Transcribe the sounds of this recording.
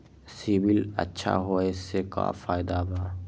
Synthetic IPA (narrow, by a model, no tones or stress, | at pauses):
sibɪlə̰tːʃʰa̰ɦoeseka̰faːɪd̪abaː